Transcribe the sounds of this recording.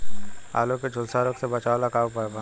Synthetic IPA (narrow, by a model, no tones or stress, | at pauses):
a̰ːlõked͡ʒʱʊlsaːɾoksebɐt͡ʃaːlakaːopɐba